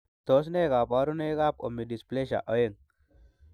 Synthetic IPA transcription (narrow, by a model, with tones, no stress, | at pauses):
t̪o˨˦s̬ne˦ɡa˨pa˦ɾu˦ne˦ɣa˦p̚o̰˨mːi˨di˨sple˦ʃa̰˨ʔɔ˦je˦ŋ